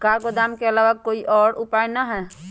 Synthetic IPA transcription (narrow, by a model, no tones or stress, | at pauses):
kaːɾɡod̪aːmkeəlaːʋakoːiʔɔːɾʊpaːɪjnaɦɛː